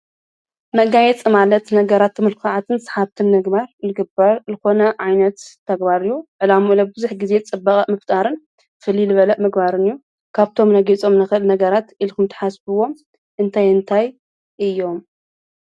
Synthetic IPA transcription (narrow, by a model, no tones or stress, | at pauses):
mɐɡajɛt͡sʼɨmalɐt̪nɐɡɐɾat̪ːmɨlkʰaʕat̪ʰɨnsħaβt̪ʰɨnmɨɡbaɾlɨɡɨbaɾzɨko̞nɐʕajnɐt̪ʰː | ɐɡbaɾɨjːuʕɨlamuʔlɐbɨbɨzuħɡize̞t͡sʼɨbːɐχʼɐmɨft̪ʼaɾɨn | fɨlːilɨβɐlɐʔmɨɡbaɾɨnɨjːu | kʰaβt̪ʰo̞mnɐɡit͡sʼo̞mnɨxɨlnɐɡɐɾat̪ʔilkɨmt̪ʰħasbɨwo̞m | ʔɨnt̪ʰajɨnt̪ʰaj | ʔɨjːo̞m